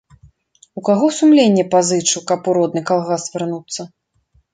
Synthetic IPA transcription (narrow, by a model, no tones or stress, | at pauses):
ukaɣɔsumlʲenʲːɛpazɨt͡ʂɨwkɐpuɾɔd̪nɨkalˠɣasvʲɛrnut̪sːɐ